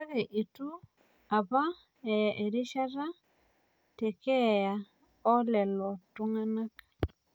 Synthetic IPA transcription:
ɛ˦ɣɛ˨ʔi˨tu˦ | a˨ba˦ | ɛ˨e˨ɾi˦ʃa˦ɾa˦ | tɛ˨kɛ˦ja˨ | ɔ˦lɛ˨lɔ˨tu˦ŋa˦na˦k

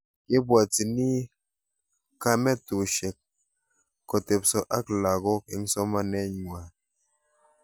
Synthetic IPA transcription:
ke˦bwa˨ti˨ni˦ | ka˧mɛ˦tu˨ʃe˨k̚ː | ɔ˨te˨psɔ˦ʔa˦kla˨ɡɔ˦k̚i˦ŋ̩˦sɔ˦ma˦nɛ˦ɲŋ˨a˨

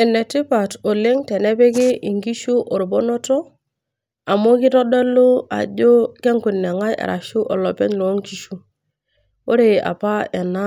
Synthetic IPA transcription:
ɛ˨ne˨ti˦pa˨to˨le˦ŋte˨ne˦be˦kɪ˦ʔi˨ŋɡi˦ʃu˦ʔo˨ɾu˨bo˦nɔ˦tɔ˦ | a˨mo˦ki˦tɔ˦dɔ˦lo˦a̰˨d͡ʒo˦ke˦ŋku˨nːɛ˨ŋa˦jḛ˨ɾa̰˨ʃu˦ʔɔ˨lɔ˨pɛ˦ɲlo˨˦ŋki˨ʃu˦ | o˦ɾe˨a̰˨pa˦ɛ˨na˦

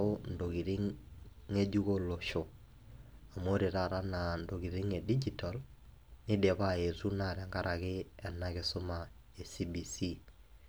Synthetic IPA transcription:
ʊ˦n̩˨do˨ki˨ɾi˦ŋ | e˦d͡ʒu˦ko˦lo˨ʃo˨ | a˨mo˦ɾi˨ɾa˨ɾa˦na˨ndo˨ki˨ɾi˦ŋe˨di˦d͡ʒi˨ta˨l | nɪ˦de˨pa˦e˨su˦na˨ɾɛ˨ŋɡa˦ɾʔa˨kɪ˦ɛ˨na˦kɪ˨sʊ˦ma˨ | e˨si˦bi˨si˦

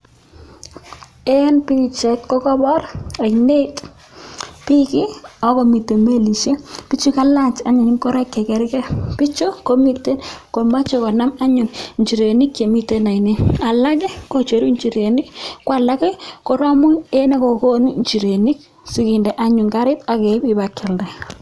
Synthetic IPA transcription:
ɛ˦npi˦˨t͡ʃɛ˨tkɔ˦kɔ˦bɔ˦ɾa˨ine˦t | pi˦ki˦ɔ˨˦ko˨mi˨te˨me˦li˨ʃe˦pi˦t͡ʃi˦ka˦la˦˨t͡ʃa˦ɲɪ˨ɲi˦kɔ˦ɾɛ˦kːe˨kɛ˨ɾi˦kɛ˦pi˦t͡ʃo˦ko˦mi˨te˦nko˨ma˦t͡ʃo˨kɔ˨na˦ma˦ɲʊ˨nɲt͡ʃi˨ɾe˨ni˦kje˨mi˦te˦na˨i˨ni˦a˨la˦kɛ˦ko˨t͡ʃe˨ɾu˦ɲt͡ʃi˨ɾe˨ni˦kwa˨la˦kɛ˦ko˨ɾa˦mʊ˦e˦ne˦ko˨ko˦nu˦ɲt͡ʃi˨ɾe˨ni˦k̚ | si˦kɪ˨ndɛ˨ʔa˦ɲʊ˨ŋka˦ɾɪ˦ta˨kɛ˨˦bi˦ba˨kɛ˨ldɛ˨

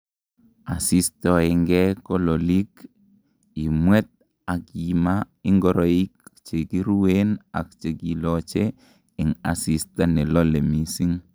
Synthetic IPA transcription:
a˨si˦stɔ˨ɛ˨ŋɡɛ˦ko˦lo˨li˦k | i˨mwɛ˦t̚ | a˨kima˦ | i˦ŋɡɔ˨ɾo˨i˦k̚t͡ʃe˨ɡi˦ɾu˦we˦na̰˨k̚t͡ʃe˨ɡi˨lɔt͡ʃe˦ | ɪ˨ŋa˨si˨sta˦nɛ˨lɔ˦le˨mi˨si˦ŋ

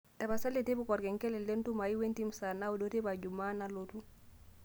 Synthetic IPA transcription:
ta˨ba˨sa˦le˨te˦bʊ˦kɔ˨ɾɡɛ˨ŋkɛ˦lɛ˨le˦n˦tu˦ma˨i˦we˦nti˦m̩sa˨na˦u˨dɔ˦te˦ba˨d͡ʒu˨ma˦na˨lotu˦

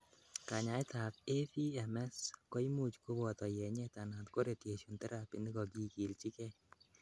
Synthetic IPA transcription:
ka˨ɲa˨ɪ˦t̪a˨te˦fi˦ɛ˨mɛ˦skɔ˦i˦mu˦t͡ʃko˦bɔ˨t̪ɔ˨jɛ˨ɲɛ˦t̪a˨na˨t̪ko˦ɾe˨t̪je˨ʃo˨nt̪ɛ˦ɾa˨pi˨nd̪ɪ˦ɡɔ˨ɡi˦ki˨lt͡ʃɪ˦kɛ˦

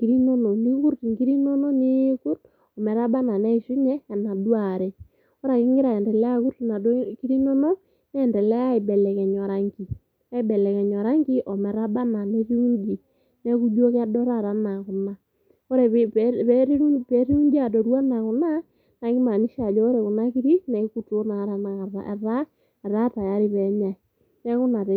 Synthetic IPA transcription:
ŋɡ̥i˦ɾi˦nɔ˦nɔ˨ni˦ku˦ɾti˨ŋɡi˦ɾi˦nɔ˦nɔ˦ni˦ku˦t | ɔ˨mɛ˨ɾa˦ba˦na˨nɛ˦i˨ʃu˦ɲɛː˦˨na˨dwa˨ɾɛ˨ | kɔ˦ɾa˨kɪ˦ŋɡɪ˦ɾa˨ɛ˨ndɛ˨lɛ˦a˦ku˦ɾtna˨˦ki˦ɾi˦nɔ˦nɔ˦ | nɛ˦ɛ˨ndɛ˨lɛ˦ja˦ɪ˨bɛ˨lɛ˨kɛ˨ɲɔ˨ɾa˦ŋɡi˨ | a˦i˦˨bɛ˨lɛ˨kɛ˨ɲɔ˨ɾa˦ŋɡi˦ʔɔ˨mɛ˨ɾa˦ɓa˦na˨ne˦ɾi˦u˦nd͡ʒi˨ | nɛ˦ku˦d͡ʒu˦o˦ka˦dɔ˦ɾa˦˨ɾa˦na˨ku˨na˨ | o˦ɾe˨pɾu˦pe˨˦ɾi˦u˦ɲd͡ʒa˦˨do˨ɾwa˦na˨ku˨na˦ | na˨ki˦ma˨ni˦ʃa˨d͡ʒɔː˦ɾe˨ku˨na˦ki˦ɾi˦nɛ˨˦ku˦tu˨o˦na˨˦ɾa˨na˨a˨a˨ɾa˦ | ɛ˨ɾa˦ta˨ja˦ɾi˦βɛ˨˦ɲa˨i˨ | nɛ˦ku˦na˨t

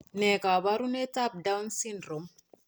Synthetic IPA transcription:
nɛ˨ka˨βa˦ɾunɛ˦ta˦p̚dawnsindɾo˨m

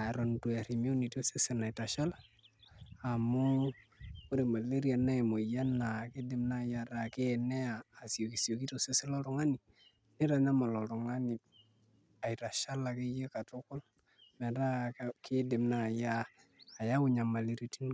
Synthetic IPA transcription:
a˨ɾɔ˨ndu˨e˨ɾi˨mi˦u˦ni˨ti˦o˦se˦se˨na˨i˨ta˨ʃa˦la˨ | a˨mu˦ | u˦ɾe˨ma˨le˦ɾi˦a˨na˦e˨mo˨ja˦na˨kɪ˦dɪ˨mna˦˨ja˨ɾa˨ke˦˨ne˦aː˨si˨o˨ki˨si˨o˨ki˦tse˦se˦lo˦ɾu˦ŋa˦ni˨ | ni˦ɾa˨ɲa˦ma˨lɔ˨ɾu˨ŋa˦ni˨ | a˨i˨ta˨ʃa˦la˨ki˦je˦ka˨tu˦kʊ˦l | mɛ˨ɾa˦kɪ˦dɪ˨mna˨jaː˦˨ | ja˦wʊ˨ɲa˨ma˨le˨ɾa˨ti˦n

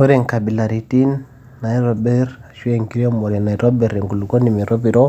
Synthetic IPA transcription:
ɔ˦ɾɛ˨ŋka˨bi˨la˨ɾi˨ti˦nː | a˨i˦ɾɔ˨bɛ˦ɾa˨ʃu˦ɛ˨ŋki˦ɾɔ˦mɔ˨ɾɛ˨na˨i˨ɾɔ˦bɛ˨ɾɛ˨ŋɡu˨lu˨ko˦ni˨mi˨ɾɔ˦bi˨ɾɔ˦

